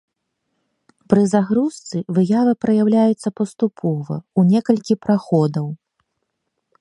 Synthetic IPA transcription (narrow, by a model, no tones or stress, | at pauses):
pɾɨzaɣɾust̪sɨvɨjavɨpɾɐjawlʲajut̪sːɐpɐst̪upʰɔvɐ̰unʲɛkɐlʲkʲipɾaxɔd̪ɐw